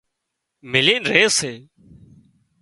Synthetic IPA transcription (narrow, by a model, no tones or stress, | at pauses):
mɪleːnɾeːseː